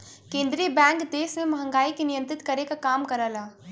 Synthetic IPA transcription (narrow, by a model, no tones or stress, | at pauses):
kẽːnd̪ɾibɛ̃ːŋkd̪eːsmẽmɐɦə̃ŋɡaːikinɪjə̃nt̪ɾɪt̪kɐɾekakaːmkɐɾəːlaː